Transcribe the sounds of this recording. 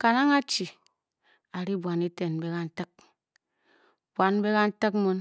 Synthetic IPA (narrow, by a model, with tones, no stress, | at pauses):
ka˨na˦ŋa˦t͡ʃi˨ | a˨ɾi˦bʷa˨ni˦te˨n˨be˦ka˦n̩˦tə˦k̚ | bwa˨n˦be˦ka˦n̩˦tə˦kmo˦n